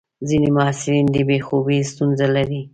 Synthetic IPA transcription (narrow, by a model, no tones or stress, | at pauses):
zinemʊɑsɪɾind̪əbexobist̪unzalaɾi